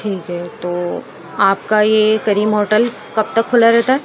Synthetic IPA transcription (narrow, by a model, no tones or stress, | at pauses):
ʈʰiːkɦɛt̪oː | aːpkajekɐɾiːmɦoːɾʈəl | kɐb̚t̪ɐkʰːʊlaɾɛɦt̪aɦɛ